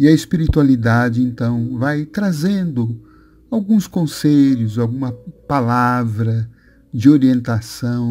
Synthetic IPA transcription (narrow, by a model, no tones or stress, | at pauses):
ɪɐespiɾit̪ualid̪ad͡ʒɪẽnt̪ɐ̃w̃vajt̪ɾazẽnd̪ʊ | awɡũskõseʎʊzawɡũmɐpalavɾɐ | d͡ʒɪoɾiẽnt̪asɐ̃w̃